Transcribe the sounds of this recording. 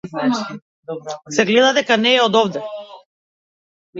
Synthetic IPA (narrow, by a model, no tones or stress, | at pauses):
sɛɡlɛd̪ad̪ɛkanɛːɔd̪ɔvd̪ɛ